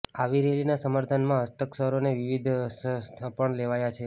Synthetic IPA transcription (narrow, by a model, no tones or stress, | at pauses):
aʋiɾelinasəmaɾt̪ʰanmãəst̪əksəɦɾoneʋiʋid̪ʱəsʰpəɳleʋajat͡ʃʰe